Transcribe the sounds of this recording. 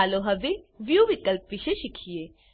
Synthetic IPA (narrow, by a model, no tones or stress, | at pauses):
aloɦɐʋi | ʋjuʋikəlpʋiʃeʃikʰijeː